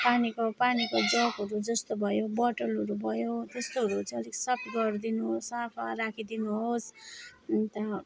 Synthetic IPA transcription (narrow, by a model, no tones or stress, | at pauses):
panikopanikod͡zʌkɦʌɾud͡zʌst̪obʱʌjobʌʈʌlɦʌɾubʱʌjot̪est̪oɦʌɾut͡sʰʌʌliksʌpɡʌrd̪inuɦosapʰarakʰid̪inuɦos | t̪ʌ